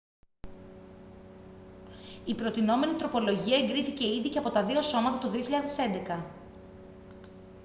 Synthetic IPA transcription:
ipɾo̞t̪ino̞me̞nit̪ɾo̞po̞lo̞ʝiɐeŋɡɾiθice̞iðice̞ɐpo̞t̪ɐðio̞so̞mɐt̪ɐt̪oðioçiʎɐðe̞se̞nd̪e̞kɐ

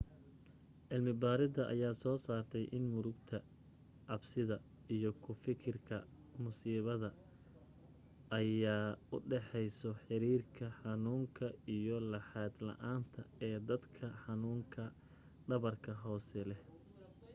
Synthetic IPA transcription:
ʕɪlmɪbaːɾɪd̪ɐʔɐ̰jaːsɔːsaːrt̪ʰɛjʔɪnmʊɾʊɡt̪ʰɐ | ʕɑbsɪðɐ | ijɔkʰʊfɪkʰɪrkʰɐ | mʊsiːβɐðɐ | jaːʊ̰ɖɛħɛjsɔħɪɾiːrkʰɐħɑnuːŋkʰɐijɔlɐħɑːd̪lɐ̰ʔaːnt̪ʰɐɛːd̪ɐd̪kʰɐħɑnuːŋkʰɐ | ɖɐβɐrkʰɐɦɔːsɛlɛ

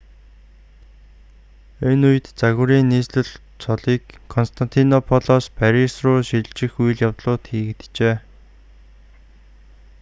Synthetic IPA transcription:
enujɘ̆t̪t͡saɣʊɾiːnːiːsɮɘ̆ɮ | t͡sʰɔɮiːkʰːɔnst̪ʰan̥t̪ʰinɔpʰɔɮɔspʰæɾisrʊːʃiɮt͡ɕɪ̆xuj̆ɮjawt̪ɮʊːt̪xiːɣɘ̆t̪t͡ɕeː

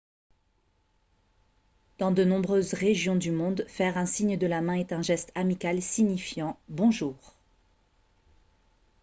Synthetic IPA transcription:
d̪̥ɑ̃d̪ənɔ̃bʁøzʁeʒjɔ̃d̪ymɔ̃d̪fɛʁɛ̃siɲd̪əlamɛ̃ɛt̪ɛ̃ʒɛst̪amikʲalsiɲifjɑ̃bɔ̃ʒuːʁ

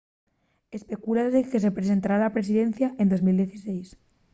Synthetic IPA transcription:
e̞spe̞kulaeke̞s̬e̞pɾes̬e̞nt̪aɾalapɾe̞s̬iðen̟θjaʔend̪o̞zmild̪jeθise̞js

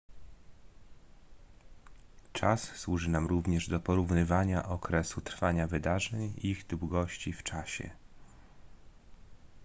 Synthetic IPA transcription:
t͡ʂasːwuʐɘnamɾuvɲɛʐd̪ɔpɔɾuvnɘvaɲaʔɔkɾɛsut̪ɾfaɲavɘd̪aʐɛɲiɣd̪wɡɔɕt͡ɕift͡ʂaɕɛ̰

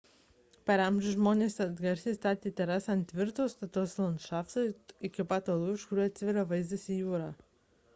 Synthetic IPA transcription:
pɐɾɛmʲʒʲʊʒmoːnʲeːsɐd̪ɡɐɾʲsʲiːst̪ɑːt̪ʲeːt̪ʲɛɾɑsɐnt̪ʲʋʲɪɾt̪oːst̪ɐt̪oːslˠɐnʃɑːft̪oɪkʲɪpɑːt̪oːlˠuːɪʃkʊɾʲuːɐt̪ʲsʲʋʲɛɾɐʋɐɪzd̪ɐsʲijuːɾɑː

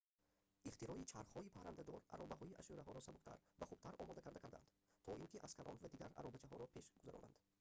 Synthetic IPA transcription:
ʔiχt̪iɾɔit͡ʃʰaɾχhɔipʰaɾand̪ad̪ɔɾa̰ɾɔbaɦɔiʔa̰ʃuɾaɦɔɾɔsabuqt̪ʰa̰ɾvaχub̚t̪ʰaɾɔ̰mɔd̪akʰaɾd̪akʰaɾd̪a̰nd̪ | t̪ʰɔʔiŋkʲiʔaz̥kʰalʔɔ̰nvad̪iɡaɾa̰ɾɔbat͡ʃʰaɦɔɾɔpʰeʃɡuzaɾɔ̰nʔa̰nd̪

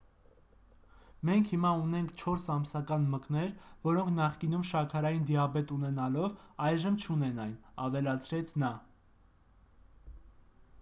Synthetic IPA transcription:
mɛŋkʰhimɑunɛŋkʰt͡ʃʰɔɾsɑmsɑkɑnməknɛɾvɔɾɔŋkʰnɑχkinumʃɑkʰɑɾɑjind̪iɑbɛt̪unɛnɑlɔvɑjʒəmt͡ʃʰunɛnɑjnɑvɛlɑt͡sʰɾɛt͡sʰnɑ

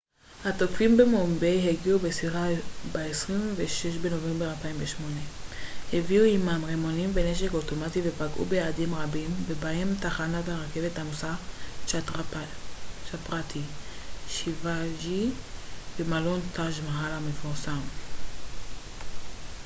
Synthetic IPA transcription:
hato̞kfimbe̞mombe̞jɦeɡiube̞siʁabaesʁimveʃeʃbeno̞ve̞mbeʁalpaimveʃmo̞ne̞ | heviuimamʁemonimve̞ne̞ʃe̞koto̞mative̞paɡʔṵbejaːdimʁabimve̞bahe̞mtaχanataʁake̞ve̞tamosat͡ʃatʁa | t͡ʃapʁat̪ʰiʃivaʒi | bemalo̞ntaʃmaɦalamefuʁsam

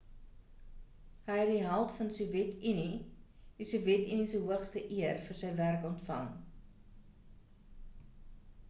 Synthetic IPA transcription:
ɦəjɦɐt̚diɦɐlˠtfɐnsuvjɛtʰinidisuvjɛtinisəɦuəχstəʔiərfərsəjværkɔntfɐ̰ŋ

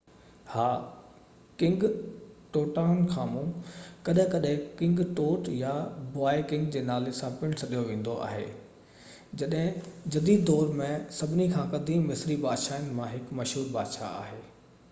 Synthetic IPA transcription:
haː | kɪ̃ŋɡʈoːʈaːʊnkʰãːmũkɐɗɦɪ̃kɐɗɦɪ̃kɪ̃ŋɡʈoːʈjabʊaːikɪ̃ŋɡd͡ʑeːnaːlesãpɪ̃ɽ̃sɐɗijoʋẽːn̆d̪oʔa̰ːɦḛː | d͡ʑɐɗɦɪ̃d͡ʑɐd̪iːd̪d̪ɔːɾmẽsɐbʱɪnikʰãːkɐd̪ʱĩmɪsɪɾibaːd̪ʃaːɪn̆mãɦɪkmɐʃɦuːɾbaːd̪ʃa̰a̰ːɦeː

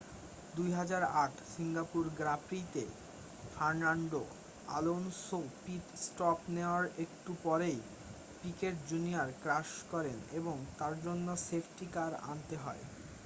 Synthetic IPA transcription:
d̪ujɦad͡ʑaɾaʈʰsiŋɡapuɾɡɾapɾit̪e | faɾnaɳɖo | a̰lonsopiʈsʈɔpneoaɾekʈupɔɾej | pikeʈ̚d͡ʑunijaɾkɾaʃkɔɾeneboŋt̪aɾd͡ʑonːosepʰʈikaɾa̰nt̪eɦɔe

